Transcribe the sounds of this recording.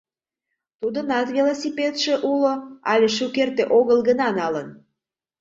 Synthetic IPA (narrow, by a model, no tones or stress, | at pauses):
t̪ud̪ənɑt̪vilosʲipet̪ʃĕʔuloɑlʲeʃukert̪eʔoɣəlɡənɑnɑlən